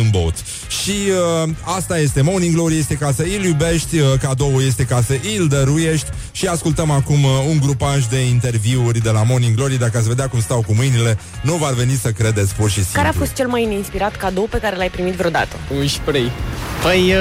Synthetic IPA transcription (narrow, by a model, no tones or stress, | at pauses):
unbo̰t̪ | ʃiəast̪aje̞st̪e̞moniŋɡloɾije̞st̪e̞kasəiljube̞ʃt̪ʲəkad̪o̞wəje̞st̪e̞kasəʔild̪əɾuje̞ʃt̪ʲ | ʃiaskult̪əmakumuŋɡɾupaʃ̬d̪e̞int̪e̞rviurʲd̪e̞lamo̞niŋɡlo̞ɾid̪akəasve̞d̪eakumst̪awkumɨjnile̞ | nuvarve̞nisəkɾe̞d̪e̞t̪sʲpurʃisikaɾeafo̞st̪̚t͡ʃe̞lmajneinspiɾat̪kad̪owpe̞kaɾelajpɾimit̪vɾeo̞d̪a̰t̪əɨʃpɾijpəj